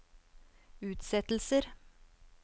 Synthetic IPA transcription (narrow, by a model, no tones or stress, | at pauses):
ʉːt̪sɛt̪l̩səɾ